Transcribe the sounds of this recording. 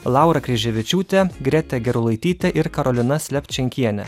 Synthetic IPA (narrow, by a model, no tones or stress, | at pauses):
lˠɑˑʊɾɐkɾʲɛʒʲɛʋʲɪt͡ʃʲuːt̪ʲɛɡɾʲɛt̪ʲɛɡʲɛɾʊlˠɐɪt̪ʲiːt̪ʲɛʔɪɾkɐɾɔlʲɪnɐsʲlʲɛp̪ʲt͡ʃʲɛŋʲkʲiɛnʲɛ̰